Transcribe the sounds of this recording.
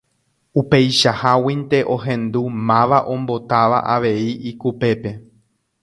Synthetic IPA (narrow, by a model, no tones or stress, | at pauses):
upe̞jʃahawint̪e̞ʔo̞ɦẽ̞nd̪umãʋaʔõ̞mbo̞t̪aʋa̰ʔaʋe̞iikupe̞pe̞